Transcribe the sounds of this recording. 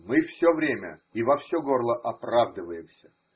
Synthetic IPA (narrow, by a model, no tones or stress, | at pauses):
mɨfsʲovɾʲemʲə̰ivɐfsʲoɡo̞rlˠəʔɐpravd̪ɨvəjɪmsʲə̥